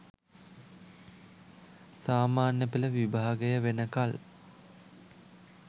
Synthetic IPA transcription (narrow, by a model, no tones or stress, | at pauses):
saːmaːnjəpiləʋibʱaːɡəjəʋenəkal